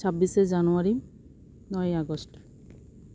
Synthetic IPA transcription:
sʰabːisezanuaɹi | nɔjaɡɔst

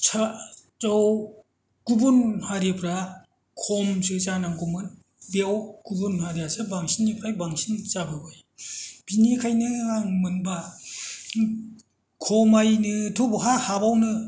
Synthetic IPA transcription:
t͡ʃʰa | t͡ʃɔw | kubunhaɾepʰɾa | kʰɔmsɯt͡ʃanaŋkumɯn | beawkubunhaɾiasɯbaŋsinipʰɾajbaŋsint͡ʃabɯbɯj | b̥inikʰajnɯaŋmɯnba | kʰɔmajnɯtʰɔbɔɦahabawnɯ

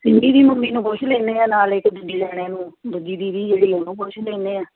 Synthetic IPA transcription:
sɪmbiːd̪iːməmbiːnũːpʊt͡ʃʰleːneːãːnaːlɪkd̪ʊdiːlɛːɽ̃eːnũːb̪ʊd̪iːd̪iːd̪iːd͡ʒeːɽiːonũːpot͡ʃʰlẽːneːaː

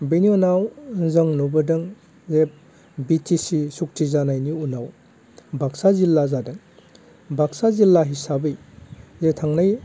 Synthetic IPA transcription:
beniɔnawnzəŋnubɐdɯŋ | zep̚ | bitʰisisuk̚tʰizanajniunaw | bʱaksazilːazadɯŋ | bʱaksazilːaɦisabɯj | zetʰaŋnaj

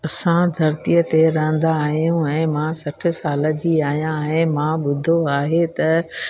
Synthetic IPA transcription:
ɐsãd̪ʱɐɾt̪ijət̪eɾɐɦə̃nd̪aːɦijũɛ̃ːmãsɐʈʰɪ̆saːlə̆d͡ʑiːaːɦijãɦɪ̃mãɓʊd̪ʱoaːɦet̪ɐ

